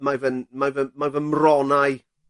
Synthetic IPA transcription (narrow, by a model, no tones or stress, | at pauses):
majvənmajvəmajvənmrɔnaj